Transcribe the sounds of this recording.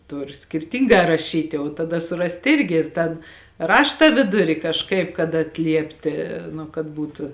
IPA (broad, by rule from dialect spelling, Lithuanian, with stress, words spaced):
ˈtʊr sʲkʲɪrʲˈtʲiːŋɡɑː rɐˈʃʲiːtʲɪ oː tɐˈdɐ sʊˈrɐst ˈɪrʲɡʲɪ ɪr ˈtɐn ˈrɑːʃtɐ ˈʋʲɪdʊrʲɪ kɐʃˈkɐɪp kɐt ɐtʲˈlʲiɛpʲtʲɪ nʊ kɐt ˈbuːtʊ